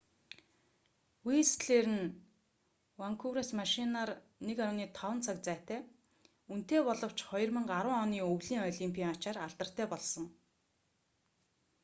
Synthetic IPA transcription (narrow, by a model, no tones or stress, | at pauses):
wist̪ɮeːɾɘ̆n | waŋkʰuɾasmaʃinaːr | nekaɾʊːniːt̪ʰɔwə̆nt͡sʰakt͡sæːt̪æː | un̥t̪eːpɔɮɞ̆w̥t͡ɕχɔjɞ̆rmɘ̆ɴɢaɾwə̆ŋɔːniːɵwɮiːŋɔɮimpʲiːaŋat͡ɕaːraɮt̪ə̆r̥t̪æːpɔɮsɞ̆ŋ